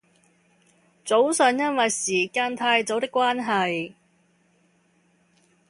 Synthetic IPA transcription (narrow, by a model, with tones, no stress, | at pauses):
t͡so˨˥wsœː˨˩njɐ˥nwɐ˨jsiː˨˩kaː˧nt̪ʰaː˧jt͡so˨˥wt̪ɪ˥kːʷwaː˥nɦɐ˨j